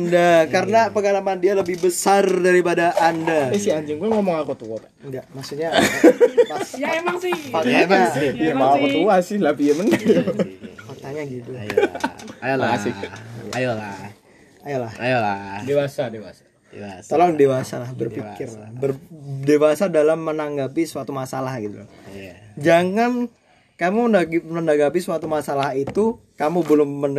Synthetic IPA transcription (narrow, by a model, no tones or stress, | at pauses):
andakaɾənapəŋalamandialəbɪhbəsardaɾipadaʔandapasiaɲd͡ʒɪŋkuŋomɔŋakot̪uot̪a | ŋɡaʔmaksuɲa | asjaemaŋsɪhkot̪amaimaakot̪uasɪhlapiəməndajukot̪aɲaɡit̪ujajalasɪjajala | ajalahajaladewasadewasḁ | deast̪alodewasalahbərfikɪrabərdewasadalamːənaŋɡapisəwat̪umasalahɡit̪ṵljd͡ʒaŋan | kamuməndaɡəndaɡapiswat̪umasalaɦit̪ukamubəlʊmːən